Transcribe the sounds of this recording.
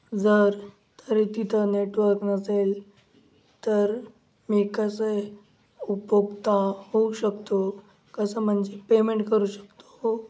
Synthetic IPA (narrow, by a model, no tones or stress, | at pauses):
d͡zəɾ | t̪ʰəɾit̪it̪ʰəneʈʋəɾknəsel | t̪əɾ | miːkəse | upjoɡt̪aɦouɕəkt̪o | kəsəm̤əɳd͡zepemeɳʈkəɾuːɕə̥kt̪o̥